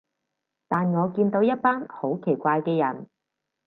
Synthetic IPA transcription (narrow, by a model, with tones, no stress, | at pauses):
t̪aː˨nŋɔː˨˧kiː˧nt̪o˨˥wjɐ˥t̚paː˥nho˨˥wkʰe˨˩jkʷaː˧jkɛː˧jɐ˨˩n